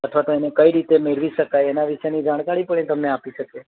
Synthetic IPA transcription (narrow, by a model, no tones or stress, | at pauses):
ət̪ʰʋat̪oenekəiɾit̪emeɭʋiʃəkajenaʋiʃenid͡ʒaɽ̃kaɭipəɽet̪əmneapiʃəke